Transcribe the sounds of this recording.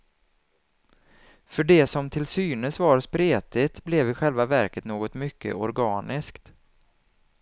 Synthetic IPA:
fœɖɛsɔmt̪ʰɪlsyːnəsvaɾspɾeːt̪ɪt̪blɛvɪɧɛlvavæɾkət̪noːɡɔt̪mʏkːə̰ʔɔɾɡɑːnʔɪskt̪

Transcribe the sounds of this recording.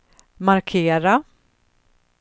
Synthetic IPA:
maɾkʰeːɾa

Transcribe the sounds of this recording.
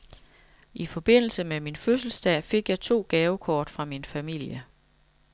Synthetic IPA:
ʔifɒ̽b̥e̝n̰l̩səmeminføs̬l̩sd̥ɛ̰fe̝ɡ̥jɑ̈ɪt͡sʰo̝̰ːɡ̥ɛːʊkʰɒːd̥fʁɑ̈minfæmil̰jə

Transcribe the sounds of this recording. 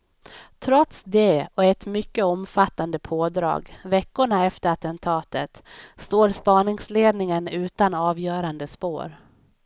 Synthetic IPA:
t̪ʰɾɔt̪sd̪ɛɔɛt̪mʏkːəɔmfat̪ːand̪əpʰoːd̪ɾɑ̰ːɡvɛkːʊɳaɛft̪əɾat̪ɛnt̪ʰɑːt̪ət̪st̪oːɾspɑːnɪŋsleːd̪nɪŋənʉ̟ːt̪anɑːvjœːɾand̪əspo̰ːɾ

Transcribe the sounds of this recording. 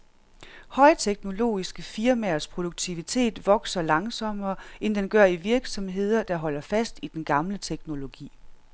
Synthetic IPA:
hɒ̽ɪt͡sʰeɡ̥no̝lo̝̰ːisɡ̥əfiɐmæɐspʰʁo̝d̥uɡ̥̚t͡sʰiʋit͡sʰe̝̰ːd̥ʋɒ̽ɡ̥sɐlɑ̈ŋsɒ̽m̰ɐːend̥enɡ̥ɶɐ̰iʋiɐɡ̥sɒ̽mɦe̝ð̞̰ˠɐd̥ɑ̈ɦɒ̽l̰ɐfæsd̥id̥enɡ̥ɑ̈mlət͡sʰeɡ̥no̝lo̝ɡ̥ḭː

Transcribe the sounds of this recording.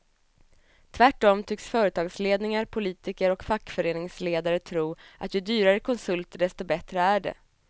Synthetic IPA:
t̪ʰvæʈːɔmt̪ʰʏksfœːɾət̪ʰɑːɡsleːd̪nɪŋaɾpʰʊliːt̪ɪkəɾɔkfakːfœɾeːnɪŋsleːd̪aɾət̪ʰɾuːʔa̰t̪jɵd̪yːɾaɾəkʰɔnsɵlt̪ɖɛst̪ɔbɛt̪ɾəæɖɛ̰

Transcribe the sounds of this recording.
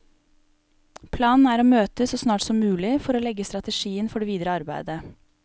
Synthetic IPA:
pʰlɑːnn̩æːɾoːmøːt̪əsoːsnɑːʈsɔmːʉːlɪfɔɾoːlɛɡəst̪ɾɑt̪əʃiːənfɔɖeːʋiːd̪ɾəɑɾbæɪd̪ə

